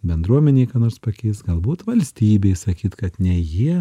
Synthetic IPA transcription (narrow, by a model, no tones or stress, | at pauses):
bʲɛnd̪ɾuɔmʲɛnʲeːkɐːnoːɾspɐkʲɛɪsɡɐlˠbuːt̪ʋɐlʲsʲt̪ʲiːbʲeɪsɐkʲiːt̪kɐt̪nʲɛjiɛ